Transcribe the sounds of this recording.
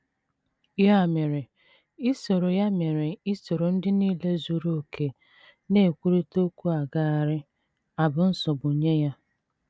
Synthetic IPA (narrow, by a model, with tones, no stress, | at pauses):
ja˦˨me˨ɾe˨ | i˦so˨ɾo˨ja˦me˨ɾe˨i˦so˨ɾo˨n̩˦dɪ˦niː˦le˦zu˨ɾo˦˨kʰe˨ | ne˦˨kʷu˦ɾi˦to˦kʷu˦a˨ɡa˦˨a˨ɾɪ˦ | a˨bʊ˨n̩˦sɔ˨bʊ˨ɲe˦ja˦